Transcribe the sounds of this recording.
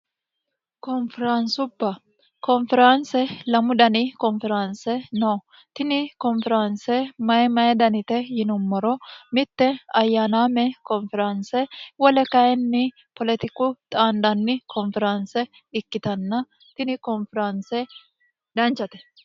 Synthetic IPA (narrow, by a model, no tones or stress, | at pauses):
kɔnfɛɾaːnsʊbːɐ | kɔnfɛɾaːnsɛlɐmʊd̪ɐnikɔnfɛɾaːnsɛnoː | t̪ɪnɪkɔnfɛɾaːnsɛmɐɛmɐɛd̪ɐnɪt̪ɛjɪnʊmːɔɾɔmɪt̪ːɛɐjːaːnaːmɛkɔnfɾaːnsɛwɐlɛkɐjɛnːɪ | pɔlɛt̪ɪkut̪ʼaːnd̪ɐnːɪkʰɔnfɛɾaːnsɛ | ɪkːɪt̪ɐnːɐ | t̪ɪnɪkɔnfɛɾaːnsɛ | d̪ɐnt͡ʃɐt̪ɛ̥